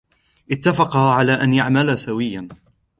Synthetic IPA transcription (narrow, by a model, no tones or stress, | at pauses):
ʔɪt̪ːafɑqɑʕalaːʔanjaʕmalasawɪjːan